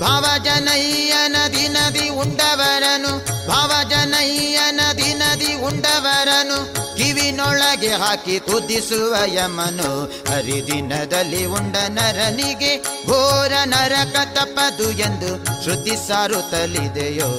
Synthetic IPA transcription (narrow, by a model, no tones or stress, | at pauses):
bʱaːʋɐd͡ʒɐnɐjijɐnɐd̪inɐd̪iuɳɖɐʋɐɾɐnubʱaːʋɐd͡ʒɐnɐjijɐnɐd̪inɐd̪iuɳɖɐʋɐɾɐnukiʋinɔɭɐɡeɦaːkit̪ud̪ːisuʋɐjɐmːɐnu | ɐɾid̪inɐd̪ɐlːiuɳɖɐnɐɾɐniɡebʱoːɾɐnɐɾɐkɐt̪ɐpːɐd̪uend̪uʃɾud̪ːisaːɾut̪ɐlːid̪ejoː